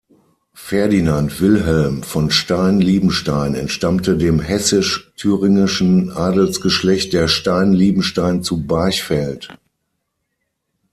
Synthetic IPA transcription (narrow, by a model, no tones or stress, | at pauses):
fɛɐdinantv̥ɪlɦɛlmfɔnʃtaɪnliːbm̩ʃtaɪnɛ̰ntʃtamtədeːmhɛsɪʃtʰyːʁɪŋɪʃn̩ʔaːdl̩t͡sɡ̥əʃlɛçt̚d̥eːɐʃtaɪnliːbm̩ʃtaɪnt͡subaɪçfɛlt